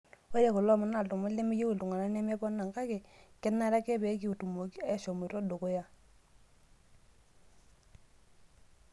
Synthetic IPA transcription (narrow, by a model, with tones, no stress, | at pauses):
o˦je˨ko˨lɔ˦˨mʊ˨na˨ltʊ˨ma˦le˦mɪ˦je˦wu˨ltu˨ŋa˨na˦nɛ˦mɛ˦pɔ˦na˨ŋka˦ke˨kɛ˦nːa˦ɾa˦kɛ˦pe˨˦k̬i˨u˨tu˨mo˨ki˦a˦ʃɔ˨mu˨ɾɔ˦do˨ko˦ja˦